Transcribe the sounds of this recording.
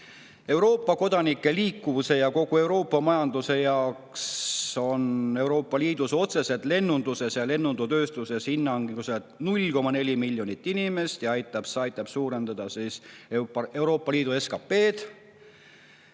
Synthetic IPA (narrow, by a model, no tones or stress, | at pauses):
e̞wɾo̞ːpːˑɑko̞d̪̥ɑnikˑːe̞liːkˑːuvuse̞jɑko̞ɡ̥ue̞wɾo̞ːpːɑmɑjɑnd̪̥use̞jɑokso̞ne̞wɾo̞ːpːɑliːd̪̥uso̞t̪se̞se̞t̪ˑle̞nːund̪̥use̞sjɑle̞nːund̪ut̪ø̞ːst̪use̞shinːɑŋɡused̪̥nulʲko̞mɑnelʲimilʲjo̞nʲit̪ˑːinime̞st̪jɑɑjt̪ːˑɑb̥sɑjt̪ːˑɑb̥suːɾe̞nd̪̥ɑd̪̥ɑsis | e̞wɾo̞ːpːɑliːd̪ue̞skɑpːe̞ːd̪̥